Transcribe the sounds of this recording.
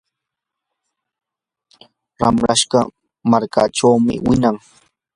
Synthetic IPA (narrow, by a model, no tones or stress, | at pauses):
ɾa̰mɾaʃɢɑ | maɾkaʈ͡ʂawmɪ̰wɪnaŋ